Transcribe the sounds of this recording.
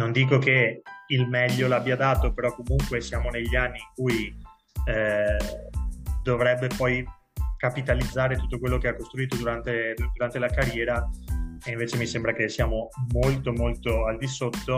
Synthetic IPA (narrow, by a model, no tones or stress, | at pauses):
nond̪iːkokeilmɛʎːolabːiad̪aːt̪opeɾɔkːomuŋkwesjaːmoneʎːianːiːŋkuj | d̪ovɾɛbːepɔj | kapit̪alid̪zːaːɾet̪ut̪ːokwelːokeakːost̪ɾuiːt̪od̪uɾant̪ed̪uɾant̪elakarjɛːɾaeiɱveːt͡ʃemisembɾakesːjaːmomolt̪omolt̪oald̪isot̪ːo